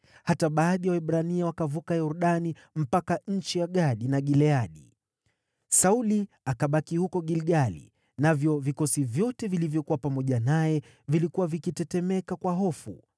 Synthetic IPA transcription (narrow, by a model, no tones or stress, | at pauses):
hataɓaːɗijawɛɓɾaniawakavukajɔɾuɗani | m̩pakaɲ̩t͡ʃijaɠaɗinaɠilɛaɗi | sauli | akaɓakihukɔɠilɡalḭ | navjɔvikɔsivjɔtɛvilivjɔkuwapamɔʄanajɛ | vilikuwavikitɛtɛmɛkakwaɦɔfṵ